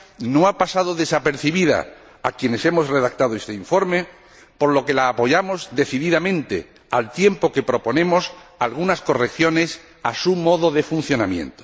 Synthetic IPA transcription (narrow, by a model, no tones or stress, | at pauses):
no̞apasaðo̞ðe̞sape̞ɾθiβiða̰ | akje̞ne̞se̞mo̞sreðak̚t̪aðoe̞st̪eiɱfo̞ɾme̞ | po̞ɾlo̞ke̞laːpo̞ʝamo̞zd̪e̞θiðiðamẽnt̪e̞̰ | alt̪je̞mpo̞ke̞pɾo̞po̞nẽ̞mo̞salɣ̞unasko̞rekθjo̞ne̞s | asumo̞ðo̞ðe̞fun̟θjo̞namjẽ̞̰nt̪o̥